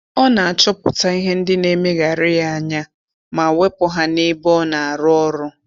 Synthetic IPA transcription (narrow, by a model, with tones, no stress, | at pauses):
ɔ˦na˨a˨t͡ʃɔ˦pʊ˨ta˦i˦ɦe˦n̩˦dɪ˦ne˦me˦ɣa˨ɾɪ˦ja˦˨a˨ɲa˦ | ma˨we˦pʊ˦ɦa˦nɪ˦bɔ˦na˨a˨ɾʊ˦ɔ˦ɾʊ˦